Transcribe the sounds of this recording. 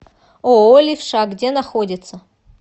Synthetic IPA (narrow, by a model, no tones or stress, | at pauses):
oolʲifʂaɡdʲenɐxodʲɪt̪sə